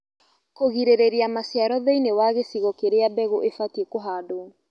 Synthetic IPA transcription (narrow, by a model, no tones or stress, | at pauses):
koɣiɾeɾeɾeamasjaɾɔðeinewaɣesiɣɔkeɾeabɛɣoʔefatiekoɦaːdo